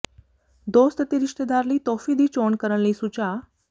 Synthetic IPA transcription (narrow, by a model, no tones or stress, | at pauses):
d̪ost̪ət̪iɾiʂʈ̪əd̪aɾliːt̪ɔfiːd̪ʱiːt͡ɕoɳkəɾəɳlisut͡ɕa